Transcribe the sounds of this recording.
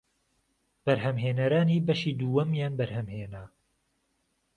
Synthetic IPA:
b̥ɐɾɦɐmɦeːnɐɾaːniːbɐʃiːd̪uːwɐmjaːnbɐɾhɐmheːnaː

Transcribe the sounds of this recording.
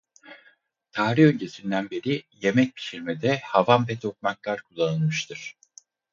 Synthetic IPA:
t̪ʰaːɾiø̞ɲcʰe̞sind̪ænbeɾije̞mɛc̚pʰi̥ʃiɾmed̪ɛhavanbɛt̪ʰok̚maklˠaɾkʰulˠːanɯlˠmɯʃt̪ʰɯɾ̥

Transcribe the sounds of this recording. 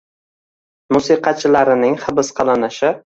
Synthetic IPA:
mʊsiqɑt͡ʃʰɪlaɾɪnɪŋχɨbɪsqʰɑlˠanɪʃɪ

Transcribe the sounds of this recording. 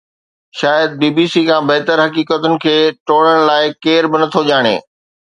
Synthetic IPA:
ʃaːjəd̪̚biːbiːsiːkʰãːbɐɦt̪əɾɦɐkiːkət̪ʊnɪ̆kʰeːʈoːɽəɽ̃laːɪkeːɾbɪnɐt̪ʰoʄaːɽ̃ḛː

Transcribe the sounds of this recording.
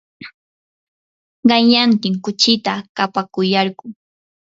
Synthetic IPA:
ɢɑjjant̪ɪŋkʊt͡ʃɪt̪akapakʊjɑɾɢʊ

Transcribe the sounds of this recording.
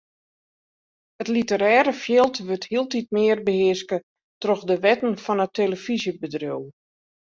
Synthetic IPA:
ətlitəɾɛːɾəfjɪlˠtʋøthiəlˠtit̚mɪərbəhɪəskə | trɔxdəʋɛtn̩fɔnəteləfizjəbədrjuw

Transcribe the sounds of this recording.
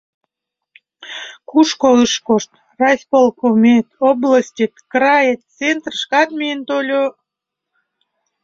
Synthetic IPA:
kuʃkoəʃkoʃt̪ | rɑsʲpolˠkomʲet̪obləsʲtʲit̪krɑjet̪t͡sent̪rəʃkɑt̪miənt̪olʲo

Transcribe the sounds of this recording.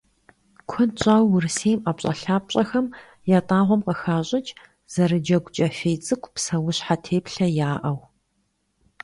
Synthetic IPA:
kʷʰʊnɕʼaːwːʊrɨsejmʔapɕʼɐ̰ɬaːp̚ɕʼɐxɐm | jaːtʼaːʁʷɔmqɐxaːɕʼɪt͡ʃʼ | z̥ɐrɨd͡ʒɐɡʷt͡ʃʼɐfeːjt͡sʼɨkʷʰʼpsɐwʊɕħatʰeːpɬɐjaːʔɐw

